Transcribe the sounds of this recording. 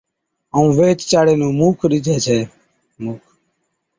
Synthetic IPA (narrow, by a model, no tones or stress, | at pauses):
əũːʋeːt͡ʃt͡ʃaːɽeːnũːmuːkʰɗɪd͡ʒʱeːt͡ʃʰeː | muːkʰ